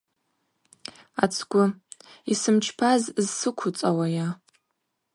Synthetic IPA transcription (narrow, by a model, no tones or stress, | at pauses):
a̰t͡sʰɡʷʊisɨmt͡ʃʰpʰazzsɨkʷʰʊt͡sʼawaja